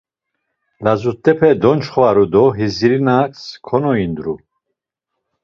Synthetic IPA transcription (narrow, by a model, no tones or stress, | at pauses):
lazut̪ʼɛpʰɛd̪ɔnt͡ʃχvaɾud̪ɔɦiziɾinakskʰɔnɔind̪ɾu